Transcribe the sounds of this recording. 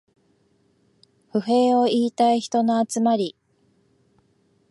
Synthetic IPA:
ɸɯ̟ɦe̞ːo̞iːt̪aiçi̥t̪o̞no̞at͡sɨmaɾʲi

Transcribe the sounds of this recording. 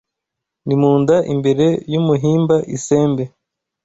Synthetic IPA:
nimuːndaʔḭmbe̞ɾe̞jumuɦiːmbaʔise̞ːmbe̞

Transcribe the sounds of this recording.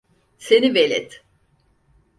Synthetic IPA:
senivelʲɛ̰t̪

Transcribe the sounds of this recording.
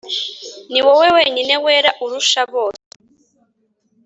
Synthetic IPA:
niweweweɲineweːɾaʔuɾuʃaβoːɾ

